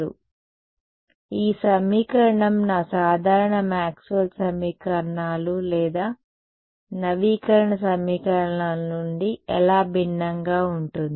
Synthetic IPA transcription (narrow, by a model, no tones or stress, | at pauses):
ṵ | iːsɐmiːkɐɾɐɳɐmnaːsaːd̪ʱaːɾɐɳɐmaːksuʋɐlsɐmiːkɐɾɐɳaːlulɛːd̪aː | nɐʋiːkɐɾɐɳɐsɐmiːkɐɾɐɳaːlɐnuɳɖiɛlaːbʱinːɐŋɡaːuɳʈund̪i